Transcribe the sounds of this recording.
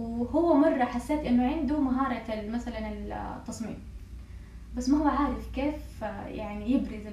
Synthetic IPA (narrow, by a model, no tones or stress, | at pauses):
hʊwːamɑrˤːɑħasːeːt̪ʔɪnːʊʕɪnd̪ʊmaɦɑːɾˤɑmasalanɪlt̪ːɑsˤmḭːm | basːmɑhwːaʕaːɾˤɪfkeːfjaʕnijɪbɾɪzɪ